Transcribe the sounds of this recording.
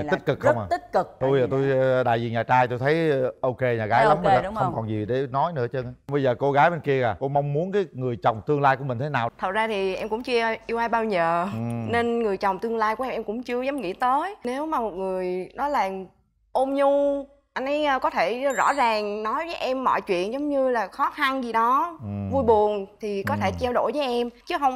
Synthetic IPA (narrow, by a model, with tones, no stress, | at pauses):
i˦˧˥t̚kɨ˨˩kxə˦˥wŋ͡maː˨˩t̪i˦˥t̚kɨ˨˩k̚t̪u˧jaː˨˩t̪o˧jɗa̰ː˧˨jzḭ˨˩ɲaː˨˩t͡ɕaː˧jt̪o˧jt̪ʰə˨˦jʔo˧wke˧ɲaː˨˩ɣaː˨˦jla˧˨˦wmə˧a˨˩˦xə˧wŋ͡mkɔ˨˩nzi˨˩ɗe˧˩nɔ˨˦jnɨ̰˧˥ət͡ɕə˧ŋa˨˧ɓə˧jzəː˨˩ko˧ɣaː˨˦jɓe˧nki˧əɣaː˨˩ko˧ma˧wŋ͡mmu˨˦ənk̬aː˨˦jŋɨ˨˩əjt͡ɕɔ˨˩wŋ͡mt̪ɨ˧əŋlaː˧jku˧˩əï˨˩ŋ̟t̪ʰe˨˦naː˨˩wt̪ʰə˨˩t̚zaː˧t̪ʰi˨˩ʔɛ˧mkʊ̰˧˥ŋ͡mt͡ɕɨ˧ʔi˧wʔaː˧jɓaː˧wɲəː˨˩ɨ˨˩ne˧nŋɨ˨˩əjt͡ɕa˨˩wŋ͡mt̪ɨ˧əŋlaː˧jku˧˩ʔɛ˧mʔɛ˧mkʊ̰˧˥ŋ͡mt͡ɕɨ˧əzə˨˦wŋ͡mŋḭ˧˥t̪əː˨˦jne˨˦wmaː˨˩mo˨˩t̚ŋɨ˨˩əjnɔ˨˦jlaː˨˩ŋ | ʔo˧mɲu˧ | ʔa˧nʔa˨˦jʔkɔ˨˦t̪ʰe˧˩zɔ̰˧˥zaː˨˩ŋnɔ˨˦jvəː˨˦jʔɛ˧mːɔ̰˧˨jt͡ɕwḭ˧˨ənzə˨˦wŋ͡mɲɨ˧laː˨˩xɔ˨˦xa˧nzi˨˩ɗɔ˨˦vu˧jɓu˨˩ənt̪ʰi˨˩kɔ˨˦t̪ʰe˧˩t͡ɕɛ˧wɗo̰˧˩jvəː˨˦jʔɛ˧mt͡ɕɨ˨˦ɦə˧wŋ͡m